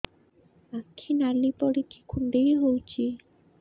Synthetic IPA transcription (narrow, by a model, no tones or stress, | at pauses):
akʰːinalipɔɽiki̥kʰund̪ejɦowt͡ɕʰi